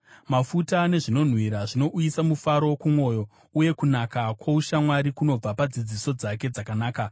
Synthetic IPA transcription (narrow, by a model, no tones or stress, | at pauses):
mafutane̞ʐino̞n̤wiɾaʐino̞ʔuisamufaɾokumwo̞ːjo̞ | uje̞kunakakwouʃamwaɾikuno̞b͡vapad͡zid͡ziso̞d͡zake̞d͡zakanaːka